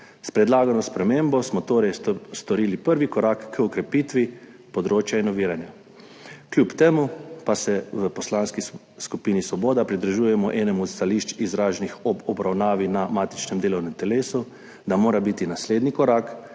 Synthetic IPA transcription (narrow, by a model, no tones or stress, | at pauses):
spɾɛd̪laːɡanɔspɾɛmeːmbɔsmɔt̪oːɾɛjst̪ɔɾiːlipəɾʋikɔɾaːkːəɔkɾɛpiːt̪ʋi | pɔd̪ɾoːt͡ʃjainɔʋiːɾanja | klʲjupt̪eːmupasɛʋəpɔslaːnski | skupiːnisʋɔboːd̪apɾid̪ɾʒuːjɛmɔʔɛːnɛmɔt̪st̪aliʃt͡ʃizɾaːʒnixɔbɔbɾawnaːʋinamaːt̪i̥t͡ʃnɛmd̪eːlɔwnɛmt̪ɛleːsu | d̪amoːɾabit̪inasleːd̪nikɔɾaːk